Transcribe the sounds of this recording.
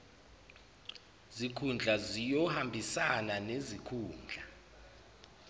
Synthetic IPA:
zikʰund͡ɮʱazijɔhambʱisananezikʰuːnd͡ɮʱa

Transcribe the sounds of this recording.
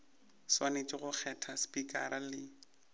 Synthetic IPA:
swanet͡ʃʼɪɣʊk͡xʰɛtʰaspʼikʼa̰ɾalɪ

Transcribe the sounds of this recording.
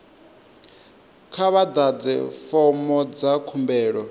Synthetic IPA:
kʰaβad̪ad͡zɛ̰fɔmɔd͡zakʰumbɛːɺɔ

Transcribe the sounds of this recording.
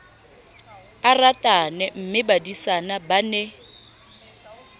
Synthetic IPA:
aratʼanɛm̩mɪbadisanabanɛ

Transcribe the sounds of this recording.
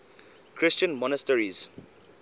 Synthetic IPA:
kʰɾɪst͡ʃə̃nmɔnəstəɹiz

